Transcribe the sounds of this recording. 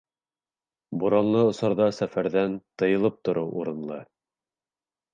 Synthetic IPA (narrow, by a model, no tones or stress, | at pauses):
buɾɑnlˠɤŏsɑ̆ɾðɑsæfæɾðænt̪ɤ̆jɤ̆lˠɤp̚t̪ŏɾɤwʔṵɾɤ̆nlˠɤ̰